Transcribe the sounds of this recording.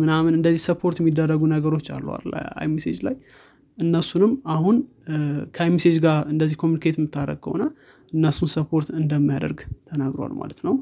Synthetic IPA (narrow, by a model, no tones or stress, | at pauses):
mɨnamɨnɨnd̪əzːihsəpʰo̞ɾt̪jɛmːid̪ːərːəɡunəɡəɾo̞t͡ʃːa̰lːə̰wa̰l̰a̰jmisḛd͡ʒlaj | ʔɨnːəsunɨmahun | kʰəajmised͡ʒɡaɨnd̪əzːihkʰomjunikʰet̪mːɨt̪ʰːaɾə̰ɡə̰wnːa | ʔɨnːəsunsəpʰo̞ɾt̪ɨnd̪əmːijad̪ə̰ɾɡt̪ʰənaɡɾo̰wa̰lma̰lət̪nəw